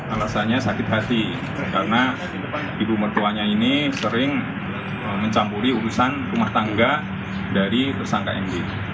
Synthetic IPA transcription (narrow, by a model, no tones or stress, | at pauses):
alasaɲasakɪt̪̚ɦat̪i | kaɾəna | dibumərt̪uaɲainisəɾɪŋ | əməɲt͡ʃampuɾiuɾusanrumaht̪aŋɡa | daɾit̪ərsaŋkaɛndi